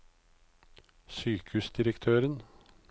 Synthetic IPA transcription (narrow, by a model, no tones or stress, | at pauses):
syːkʉsd̪ɪɾəkt̪ʰøːɾən